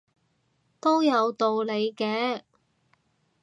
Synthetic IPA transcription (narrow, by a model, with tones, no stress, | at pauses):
t̪o˥wjɐ˨˧wt̪o˨wle˨˧jkɛː˧